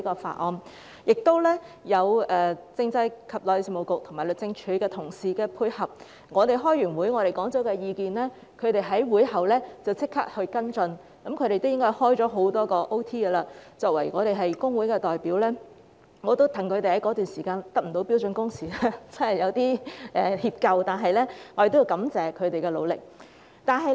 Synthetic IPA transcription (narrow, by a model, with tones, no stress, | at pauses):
i˨˥kɔː˧fa̰ː˧t̚ʔɔː˧m | jɪ˨k̚t̪o˥wlɛː˥jɐ˨˧wʔɛː˨t͡sɪ˧ŋt͡sɐ˧jkʰɐ˨p̚lɔː˨˧jsɪ˨mo˨˩wkʊ˨k̚t̪ʰʊ˨˩maː˨˩lɵ˨˩k̚t͡sɪ˧ŋt͡ʃʰyː˨˥kɛː˧t̪ʰʊ˨˩ŋsiː˨kɛː˧pʰuː˧jhɐ˨p̚ | ŋɔː˨˧t̪e˨jɦɔː˥jɥyː˨˩nwuː˨˥jŋɔː˨˧ɾe˨jkɔː˨˥ŋt͡sɔ˨˥wkɛː˧jiː˨˧kiː˨nlɛː˥ | kʰɵ˨˧ɥt̪e˨jɦɐ˨˥jwuː˨˥jhɐ˨wlɛː˥t͡sɐ˨wt͡sɪ˥kʰːa̰ː˥k̚hɵ˧kɐ˥nt͡sɵ˧n | kɐ˨˥mkʰɵ˨˧ɥɾe˨t̪wjɪ˥ŋkɔː˥jhɔː˥jt͡sɔː˨˥ɦo˨˥wt̪ɔː˥kɔː˧ʔo˥wt̪ʰiː˥ɡə˧laː˧t͡sɔː˧k̚wɐ˨˩jŋɔː˨˧ɾe˨jɦɐ˨jkʊ˥ŋwu˨˥jkɛː˧t̪ɔː˨jpiː˨˥wlɛː˥ | ŋɔː˨˧t̪o˥wt̪ʰɐ˨˩ŋkʰɵ˨˧t̪e˨hɐ˨˥jkɔː˨˥t̪yː˨nsiː˨˩kaː˧nt̪ɐ˥k̚m̩˨˩o˨˥wpi˨˥wt͡sɵ˧nkʊ˥ŋsiː˨la˥t͡sɐ˥hɐ˨jɐ˨˧wt̪iː˥ʔɛː˨hiː˧p̚kɐ˧wt̪aː˨˩nɦɐ˨jlɛː˥ŋɔː˧ɾe˨t̪ji˧kɐ˨˥mt͡sɛː˨kʰɵ˨˧t̪e˨jkɛː˧lo̰˨˧wlɪ̰˨k̚ | t̪aː˨nɦɐ˨j